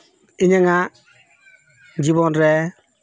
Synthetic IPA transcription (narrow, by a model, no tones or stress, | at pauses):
iɲaŋa | d͡ʒibɔnɾɛ